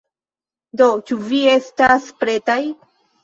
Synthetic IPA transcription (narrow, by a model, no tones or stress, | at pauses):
do̞t͡ʃuvie̞staspɾe̞taj